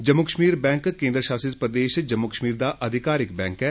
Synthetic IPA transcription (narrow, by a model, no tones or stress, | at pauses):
d͡ʒəmːʊkəʃmiːɾbɛ̃ːŋkkẽːnd̪ɾəʃaːsɪt̪pɾəd̪eːʃd͡ʒəmːʊkəʃmiːɾd̪aːʔəd̪ʱɪkaːɾɪkbɛ̃ːŋkɛː